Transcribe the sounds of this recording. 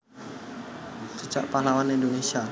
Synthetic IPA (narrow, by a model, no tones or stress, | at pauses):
d͡ʒ̥ə̤̥d͡ʒ̥a̰ʔpahlawanindonesia